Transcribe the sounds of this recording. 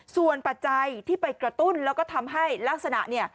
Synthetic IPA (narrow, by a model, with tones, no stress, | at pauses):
su˨˩ənpa˨˩t̪̚t͡ɕa˧jt̪ʰiː˥˩pa˧jkɾa˧t̪u˥˩nlɛː˦˥wkɔː˥˩t̪ʰa˧mɦa˥˩jlaː˦˥k̚sa˧na̰˨˩ʔni˥˩ə